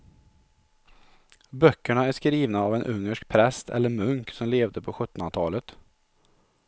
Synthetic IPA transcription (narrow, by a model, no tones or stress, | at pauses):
bœkːəɳaæʂkɾiːvnaːvɛnʔɵŋːəʂk̚pʰɾɛst̪ʰɛ̰lːəɾmɵŋksɔmleːvd̪əpʰɔɧɵt̪ːɔnt̪ʰɑːlət̪